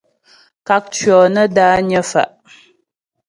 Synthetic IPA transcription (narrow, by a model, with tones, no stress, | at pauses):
ka˨k̚t͡ʃɥɔː˨nə˦daː˦ɲə˦fa̰˨ʔ